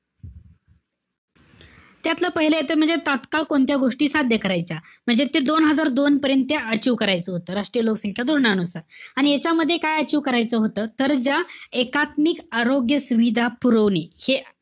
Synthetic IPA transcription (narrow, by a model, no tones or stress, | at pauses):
t̪jat̪ləpəɦiləjet̪əm̤əɳd͡zet̪at̪kaɭkoɳt̪jaɡoʂʈiːsad̪jəkəɾajt͡ɕam̤əɳd͡zet̪ed̪onɦəd͡zaɾd̪onpəɾjənt̪̚ːjaət͡ɕiːʋkəɾajt͡səːɦot̪əːɾaʂʈɾijəloksəŋkʰjad̪uɾɳanusaɾaɽ̃ijat͡ɕaməd̪ʱːjekajət͡ɕiːʋkəɾajt͡səːɦot̪əːt̪əɾd͡ʑjaekat̪mikaɾoɡjəsuʋid̪ʱapuɾəʋnihe